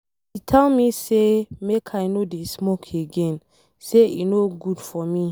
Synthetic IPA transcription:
itʰɛlmisemekʰajnodesmokʰeɡɛ̃n | seḭnoɡud̥fɔmi

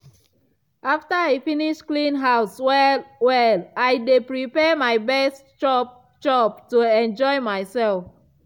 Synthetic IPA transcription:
ʔaftəefiniʃklĩnɦaʊswɛlwɛlajdepɹipɛmajbɛstt͡ʃɔ | d͡ʒɔbtuɛ̃nd͡ʒɔɪmajsɛlf

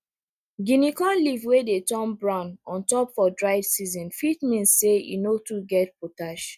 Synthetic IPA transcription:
ɡinikɔ̃nlivwedetɔ̃nbɹãʊnɔ̃ntɔpfɔdɹaɪvsizɔ̃nfitmĩnsseḭnotuɡɛt̚potaʃ

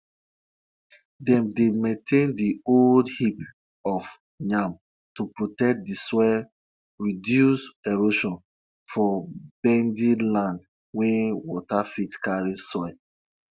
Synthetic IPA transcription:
dɛ̃mdemẽntʰẽndioldhip | ɔf | ɲãm | tupɹotɛk̚disɔ | ɹidjuseɹoʃɔ̃n | fɔbɛ̃ndilãnd | wɛ̃wɔtafitkaɹisɔ

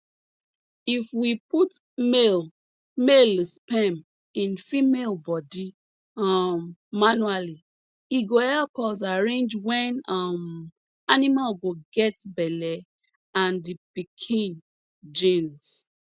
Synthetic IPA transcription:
ifwiput | mel | melspɛ̃m | ĩnfimelbɔdi | mːanuali | iɡoɛkɔs̬aɹẽnd͡ʒwɛ̃nʌm | animalɡoɡɛtbɛlɛ | ãndipikʰĩn | d͡ʒĩns

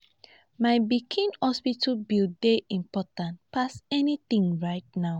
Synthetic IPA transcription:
maɪbikʰĩnhɔspitʰəbildeʔĩmpɔtãntpasɛniθĩŋɹaɪt̚naʊ

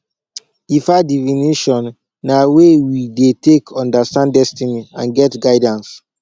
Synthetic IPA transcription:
ifadiviniʃɔ̃nː | awewidetekʰɔ̃ndastãndɛstiniãnɡɛtɡaɪdãns

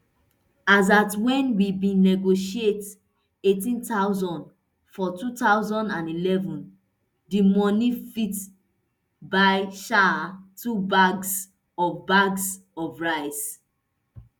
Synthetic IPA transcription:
azatwɛ̃nwibĩnɛɡoʃiet | etĩntaʊzɔ̃nd | fɔtutaʊzɔ̃ndãnilɛvɔ̃n | dimɔnifit | baɪʃatʰubaɡs | ɔvbaɡs | ɔvɹaɪs

